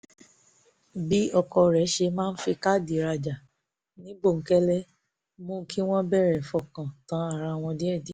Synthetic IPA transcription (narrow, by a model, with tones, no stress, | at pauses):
bi˨˦ɔ˦˨kɔ˧ɾɛ˨˦ʃe˧mãː˦˧n̩˦fi˧ka˦di˨ɾa˧d͡ʒa˨ | nĩ˨˦bo˦˨ŋ̩˨˦kɛ˦lɛ˦ | mõ˦kʰi˦w̃ɔ̃˦bɛ˦˨ɾɛ˨fɔ˨kã˨tã˨˦a˦˨ɾa˧˨w̃ɔ̃˧dĩ˦ɛ˦˨di˨˦